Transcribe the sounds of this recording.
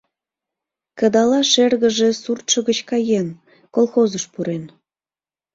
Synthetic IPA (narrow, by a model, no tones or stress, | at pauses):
kə̆d̪ɑlɑʃerɣə̆ʒe̽surt̪ʃəɣət͡ɕkɑjen | kolˠxozəʃpuɾen